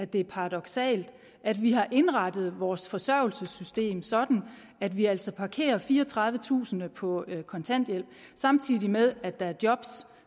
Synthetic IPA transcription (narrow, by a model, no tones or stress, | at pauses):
æd̥e̝ɐpʰɑ̈ʁɑd̥ɒ̽ɡ̥sɛ̰ːld̥ | ʔæd̥ʋiɦɑ̈ʔe̝nʁɑ̈d̥ð̞̩ˠʋɒːsfɒ̽sɶɐ̰ʊl̩səsysd̥e̝̰ːmsɒ̽d̥n̩ | æd̥ʋiæl̰sɒ̽pʰɑ̈kʰe̝̰ːɐfiːɐːt͡sʰʁɑ̈ð̞ˠʋət͡sʰṵːsn̩əpʰɒ̽kʰɒ̽nt͡sʰæn̰d̥jel̰b̥ | sɑ̈mt͡sʰið̰ˠimeðˠæd̥ɑ̈æɐd̥jɒ̽b̥s